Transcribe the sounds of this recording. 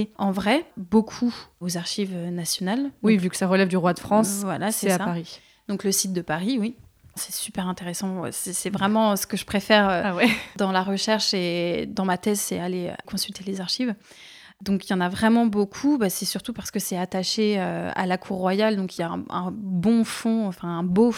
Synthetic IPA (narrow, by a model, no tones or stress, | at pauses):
ɑ̃vʁɛbokʰuozaʁʃivønasjɔnalwivykə̥saʁəlɛvd̪yʁwad̪əfχɑ̃svwalasɛsaapaʁi | d̪̥ɔ̃kləsit̪̚d̪əpaʁiwi | sɛ̥sypɛʁɛ̃t̪eʁesɑ̰̃sɛsɛvʁɛmɑ̃sə̥kəʒəpχefɛʁøwɛd̪ɑ̃laʁəʃɛʁʃed̪ɑ̃mat̪ɛzsɛaleø̰kɔ̃sylt̪elezaʁʃiv | d̪ɔ̃kjɑ̃navʁɛmɑ̃bokʰubasɛsyʁt̪upaʁsə̥kəsɛat̪aʃeøa̰lakʰuʁːwajald̪ɔ̃kiljaɛ̰̃ɛ̰̃bɔ̃fɔ̃ɑ̃fɛ̃ɛ̃bo